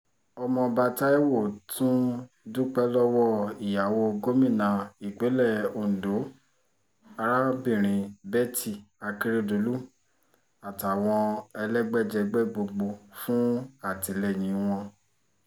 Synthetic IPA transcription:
ɔ˧mɔ̃˧ba˧ta˦ɛ˦wo˦˨tũ˦ | du˦k͡pɛ˦lɔ˦wɔ˦˨i˨ja˨wo˧ɡo˨˦mĩ˦˨nã˨˦i˨k͡pe˨˦lɛ˦˨o˨n̩˨do˨˦ | a˧ɾa˦bĩ˦˨ɾ̃ĩ˧bɛ˦ti˦˨a˧ki˧ɾe˦˨do˨˦lu˦ | a˨ta˨w̃ɔ̃˧ɛ˧lɛ˦ɡ͡bɛ˦d͡ʒɛ˧ɡ͡bɛ˦ɡ͡bo˧ɡ͡bo˧fũ˦a˦˨ti˨lɛ˦˨j̃ĩ˨˦w̃ɔ̃˧

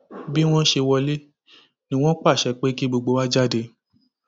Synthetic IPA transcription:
bi˦w̃ɔ̃˦ʃe˧wɔ˧le˦ | nĩ˦w̃ɔ̃˦k͡pa˦˨ʃɛ˨k͡pe˦ki˦ɡ͡bo˧ɡ͡bo˧˦wa˦d͡ʒa˦de˧˨

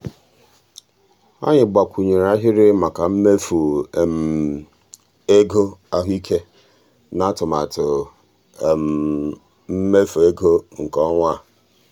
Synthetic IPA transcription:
a̰˦ɲɪ˨ɡ͡ba˨kʷu˨ɲe˨ɾa˦ɦɪ˦ɾɪ˦ma˨ka˨m̩˦me˦fu˨m˨ | e˦ɡo˦a˦ɦi˦kʰe˦ | na˦tʊ˨ma˨tʊ˨ | m̩˦me˦fo˨e˦ɡo˦ŋ̩˨kɔ˦ŋʷa˦˨

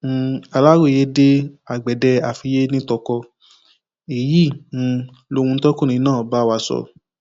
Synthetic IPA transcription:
a˨la˦wo˦˨je˦de˦a˨ɡ͡bɛ˨dɛ˧a˨fi˧je˦nĩ˦tɔ˧kɔ˧ | e˨jĩ˦˨˧ | lo˧˦wũ˧n̩˦tɔ˦kũ˦˨ĩ˧˨˦nãː˦˨ɔ˨ba˦˨wa˧sɔ̰˧˨

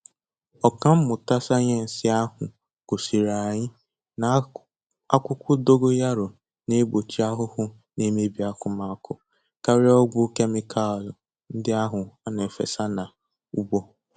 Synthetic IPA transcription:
ɔ˨ka˦m̩˦mʊ˨ta˦sa˦ɲe˦n̩˨sɪ˦a˦ɦʊ˨ | ko˨si˨ɾa˨ɲɪ˦ | na˨ | a˦kʷʊ˦kʷʊ˦do˦ɡo˦ja˦ɾʊ˨ | ne˦ɡ͡bo˨t͡ʃi˦a˦ɦʊ˦hʊ˦ | ne˦me˦bi˨˦a˦kʊ˦ma˦kʊ˨ | ka˦ɾɪ˦ɔ˦ɡʷʊ˦ke˦mɪ˦kʰa˦˨lʊ˨ | n̩˦dɪ˦a˦ɦʊ˨a˦ne˨fḛ˨sa˦na˨ | u˦ɡ͡bo˦

